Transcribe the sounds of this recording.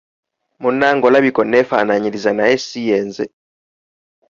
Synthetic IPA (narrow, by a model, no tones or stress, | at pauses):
munaŋɡolaβikonefanaɲiɾizanaesijeːnze